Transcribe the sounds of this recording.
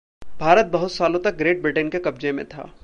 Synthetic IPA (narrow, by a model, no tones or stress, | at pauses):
bʱaːɾət̪̚bɐɦʊt̪saːlõt̪ɐk̚ɡɾeːʈ̚bɾɪʈənkekɐb̚d͡ʒẽmḛ̃t̪ʰa̰ː